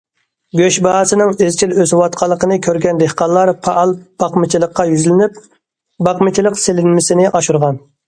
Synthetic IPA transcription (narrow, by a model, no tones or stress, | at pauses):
ɡʲøʃbɑhɑsɨnɨŋezt͡ʃʰʲiløzwɑt̪qʰɑlˠːəqənɨkʲʰøɾɡʲɛnd̪ehqɑnlˠːɑɾpʰɑʔɑlˠb̥ɑqmɪt͡ʃʰilˠəqːɑjyzlɪnyp̚ | bɑqmɪt͡ʃʰilˠəqselɪnmɪsɪnɪʔɑʃuɾʁɑn